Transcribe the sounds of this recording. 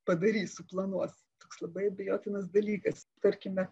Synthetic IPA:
pɐd̪ɐɾʲiːssʊplˠɐnuɔs | t̪oːkslˠɐbɐɪɐbʲɪjoːt̪ʲɪnɐs̬d̪ɐlʲiːkɐst̪ɐɾʲkʲɪmʲɛ

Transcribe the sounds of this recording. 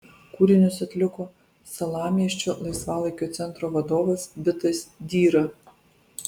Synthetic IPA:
kuːɾʲɪnʲʊsɐt̪ʲlʲɪkoː | sɐlˠɑːmʲiɛʃʲt͡ʃʲolˠɐɪsʋɑːlˠɐɪkʲoːt̪sʲɛnt̪ɾoːʋɐd̪oːʋɐsbʲɪt̪ɐsd̪ʲiːɾɐ

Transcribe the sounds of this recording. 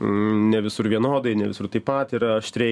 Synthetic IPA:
nʲɛʋʲɪsʊɾʋʲiɛnoːd̪ɐɪnʲɛʋʲɪsʊrt̪ɐɪpɐt̪iːɾɐɐʃt̪ʲɾʲɛ

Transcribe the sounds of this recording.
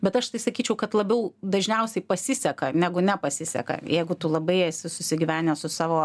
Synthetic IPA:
bʲɛt̪ɐʃt̪ɐɪsɐkʲiːt͡ʃʲɛʊkɐt̪lˠɐbʲɛʊd̪ɐʒʲnʲɛʊsʲɛɪpɐsʲɪsʲɛkɐnʲæːɡʊnʲɛpɐsʲɪsʲɛ̰kɐ̰jɛɪɡʊt̪ulˠɐbɐɪɛsʲɪsʊsʲɪɡʲɪʋʲæːnʲɛsʊsɑːʋoː

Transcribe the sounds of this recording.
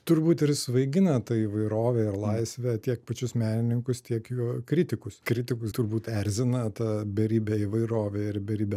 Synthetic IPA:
t̪ʊɾbuːt̪ɪɾsʋɐɪɡʲɪnɐt̪ɐiːʋɐɪɾoːʋʲɛːɪɾlˠɐɪsʲʋʲɛt̪ʲiɛk̚pɐt͡ʃʲʊsmʲæːnʲɪnʲɪŋkʊst̪ʲiɛkjuɔkɾʲɪt̪ʲɪkʊskɾʲɪt̪ʲɪkʊst̪ʊɾbuːt̪ɛɾʲzʲɪnɐt̪ɐbʲɛɾʲiːbʲɛiʋɐɪɾoːʋʲɛːɪɾbʲɛɾʲiːbʲɛ

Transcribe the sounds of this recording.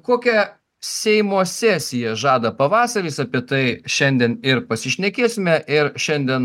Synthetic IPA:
koːkʲɛ | sʲɛɪmoːsʲæːsʲɪjɛʒɑːd̪ɐpɐʋɑːsɐɾʲisɑpʲiɛt̪ɐɪʃʲɛnʲd̪ʲɛnɪɾpɐsʲɪʃʲnʲɛkʲeːsʲɪmʲɛʔɪɾʃʲɛnʲd̪ʲiɛn

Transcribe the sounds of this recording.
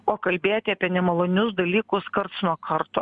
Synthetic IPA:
oːkɐlʲbʲeːjt̪ʲɪɐːpʲiɛnʲɛmɐlˠoːnʲʊsd̪ɐlʲiːkʊskɐɾt̪snuɔkʰɐɾt̪oː

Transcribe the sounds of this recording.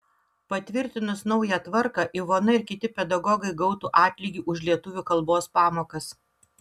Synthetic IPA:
pɐt̪ʲʋʲɪɾʲt̪ʲɪnʊsnɒʊjæt̪ʋɐɾkɑʔiʋoːnɐɪɾkʲɪt̪ʲɪpʲɛd̪ɐɡɔɡɐɪɡɒʊt̪uːʔɑːt̪ʲlʲiːɡʲiʔʊʃʲlʲiɛt̪ʊʋʲuːkɐlˠboːspɑːmoːkɐs

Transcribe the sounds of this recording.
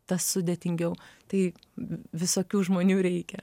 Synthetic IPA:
t̪ɐssʊd̪ʲeːt̪ʲɪŋʲɡʲɛʊt̪ɐɪ | ʋʲɪsoːkʲuːʒmoːnʲuːɾʲɛɪkʲɛ

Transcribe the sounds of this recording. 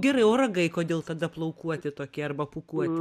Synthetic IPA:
ɡʲɛɾɐɪoːɾɐɡɐɪkoːd̪ʲeːlˠt̪ɐd̪ɐplˠɐʊkuɔt̪ʲɪt̪oːkʲiɛɐrbɐpʊkuɔt̪ʲɪ

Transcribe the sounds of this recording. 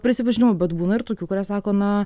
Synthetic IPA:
pʲɾʲɪsʲɪpɐʒʲɪnʲɪʋoːbʲɛt̪buːnɐɪɾt̪oːkʲuːkʊɾʲæːsɑːkoːnɐ

